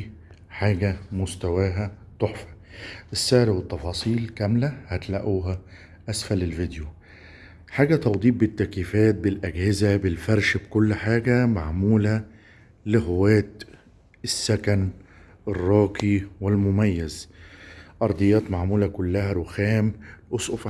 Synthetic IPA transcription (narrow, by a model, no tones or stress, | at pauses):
ħaːɡæmʊst̪æwæːɦæt̪ˤoħfæ̥ | ʔɪsːæʕɾwɪt̪ːɑfɑːsˤiːlkæmlæhæt̪læʔuːɦæ | ʔæsfælɪlvɪd̪ju | ħaːɡæt̪ɑwd̪ˤiːb̚bɪt̪ːækiːfæːt̪̚bɪlʔæɡhɪzæbɪlfæɾˤʃbkʊlːħaːɡæmaʕmuːlæ | lɪɦowæːt̪ | ɪsːækæn | ʔerˤːɑːkiwɪlmʊmæjːæz | ʔɑɾˤd̪ˤɨjːɑːt̪maʕmuːlækʊlːæhæɾˤoxæːmʔosˤʔof